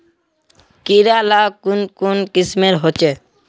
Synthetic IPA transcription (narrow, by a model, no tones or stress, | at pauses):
kiɾalakunkunkɪsmeɾɦot͡ʃe